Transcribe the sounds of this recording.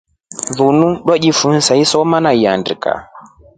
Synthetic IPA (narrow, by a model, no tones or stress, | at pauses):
ðunuɗwaʄifunsaisɔmanaiandika̰